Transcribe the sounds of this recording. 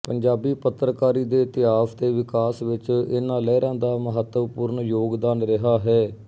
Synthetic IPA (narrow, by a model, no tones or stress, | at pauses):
pəɲd͡ʒaːbiːpət̪ːɾəkaːɾiːd̪eːt̪ɪaːfʰt̪eːʋɪkaːsʋɪt͡ʃɪnãːlɛːɾɛ̃ːnd̪aːməɦət̪ːəʋpuːɾɳjoːɡd̪aːnɾɪɦaːɦɛː